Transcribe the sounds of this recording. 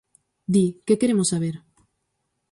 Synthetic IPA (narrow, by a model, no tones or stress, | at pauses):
d̪ikekeɾemosːaβeɾ